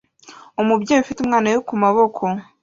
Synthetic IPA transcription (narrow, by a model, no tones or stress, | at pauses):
umubɟeːjufitumŋaːnajokumaβo̞kʰo̞